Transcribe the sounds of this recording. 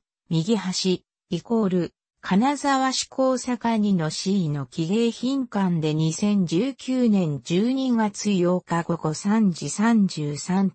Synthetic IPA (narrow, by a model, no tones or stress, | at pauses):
mʲiɡʲiɦaɕi | iko̞ːɾɯ̟ | kʰanazaβaɕi̥kʰo̞ːsakaɲ̟ino̞ɕino̞kʲiɡe̞ːçĩŋkãnd̪e̞ɲ̟isẽ̞ɲ̟d͡ʑɨːkʲɨːnẽ̞ɲ̟d͡ʑɨːɲ̟iɡat͡sɨjo̞ːkaɡo̞ɡo̞sãɲ̟d͡ʑisãɲ̟d͡ʑɨːsãn